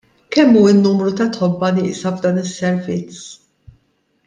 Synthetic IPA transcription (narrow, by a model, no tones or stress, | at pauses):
kɛmːuːɪnːuːmɾut̪ɐt̪ħɔbːɐnɪːʔsɐvd̪ɐːnɪsːɛɾvɪt͡s